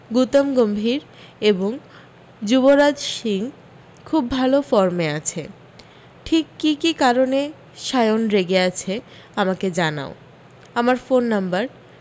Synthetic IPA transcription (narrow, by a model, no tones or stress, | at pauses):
ɡut̪omɡombʱiɾ | eboŋ | d͡ʑuboɾad͡ʑʃiŋ | kʰubːʱalofɔɾmeat͡ɕʰe | ʈʰikːikikaɾone | ʃajonɾeɡeat͡ɕʰe | amaked͡ʑana̰o | amaɾfonːambaɾ